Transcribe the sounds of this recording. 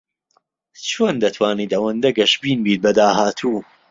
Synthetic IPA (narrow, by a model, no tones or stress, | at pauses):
t͡ʃʰoːnd̪ɐt̪ʰwaːniːt̪ɐwɐnd̪ɐɡɐʃbiːnbiːt̪̚bɐd̪aːhaːt̪ʰuː